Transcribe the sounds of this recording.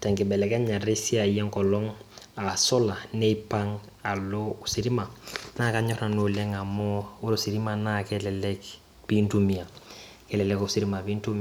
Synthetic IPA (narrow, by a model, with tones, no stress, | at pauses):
tɛ˨ŋkɪ˨bɛ˨lɛ˨ka˦ɲa˨ɾi˦si˦a˨jɛ˦ŋkɔ˨lɔ˦ŋa˨sɔ˦la˨ne˦ipaŋ | a˨lo˦usi˨ɾi˦ma˨na˦ka˨ɲɔ˦ɾna˨nulɛ˦ŋa˨mɔ˦u˦ɾosi˨ɾi˦manakɛlɛlɛk | pintumia˨ | kɛ˦lɛ˨lɛkosi˨ɾi˦ma˨bi˦ntu˦mi